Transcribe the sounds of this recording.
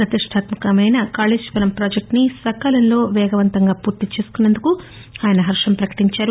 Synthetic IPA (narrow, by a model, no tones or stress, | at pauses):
pɾɐt̪iʂʈʰaːt̪mɐkɐmɐjnɐkaːleːd͡ʒʋɐɾɐmpɾaːd͡ʒek̚ʈnisɐkaːlɐnlo̞ːʋɛːɡɐʋɐnt̪ɐŋɡaːpuːɾt̪it͡ʃeːsu̥kunːend̪uku | aːjɐnɐɦɐɾʂɐmpɾɐkɐ̥ʈiɲt͡ʃaːɾu